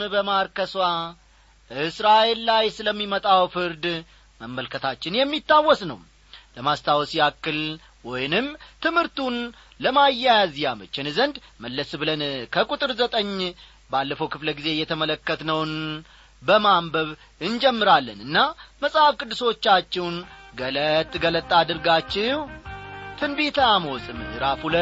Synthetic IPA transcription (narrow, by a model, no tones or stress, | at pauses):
bəmaɾkəswa | əɨsɾaʔe̞lːajsɨləmːimət̪ʼawfɨɾd̪ | məmːəlkʰət̪ʰat͡ʃːɪnjɛmːit̪ːawːɔsnə̰w | ləmast̪ʰawsiakːɨl | wɔjnɨmt̪ʰɨmhɨɾt̪un | ləmajːajazjamət͡ʃːɪnzənd̪məlːəsbɨlənkʰəkʼut̪ʼɨɾzət̪ʼəɲː | balːəfəwkʰɨfləɡize̞jɛt̪ʰəmələkːət̪nəwn | bəmambəβ | ɨnd͡ʒɛmːɨɾalːənɨnːaməsʼafkʼɨd̪ːɨso̞t͡ʃːat͡ʃːɛwnɡələt̪ʼːɡələt̪ʼːad̪ɨɾɡat͡ʃːɪwt̪ʰɨnbet̪ʰəamosʼɨmɨɾafulə